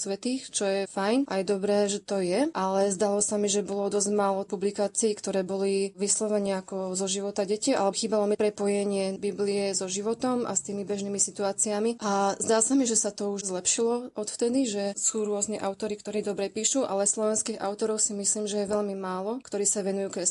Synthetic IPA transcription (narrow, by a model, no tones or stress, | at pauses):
sʋɛt̪iːxt͡ʃɔjɛfajnʔajɛd̪ɔbɾɛːʒɛt̪ɔjɛʔalɛzd̪alɔsamiʒɛbɔlɔd̪ɔzɟmaːlɔpublikaːt͡siːkt̪ɔɾɛːbɔliʋislɔʋɛnɛakɔzɔʒiʋɔt̪aɟɛcialɛxiːbalɔmipɾɛpɔjɛɲɪɛbibliɛzɔʒiʋɔt̪ɔma̰st̪iːmibɛʒniːmisit̪uaːt͡siamiʔazd̪aːsamiʒɛsat̪ɔuʒzlɛpʃilɔɔt̪ft̪ɛd̪iʒɛsuːɾʊɔznɛʔaʊt̪ɔɾikt̪ɔɾiːd̪ɔbɾɛpiːʃuʔa̰lɛslˠɔʋɛnskiːɣa̰ʊt̪ɔɾɔʊsimisliːmʒɛjɛʋɛlmimaːlɔkt̪ɔɾiːsaʋɛnujuːkɾɛs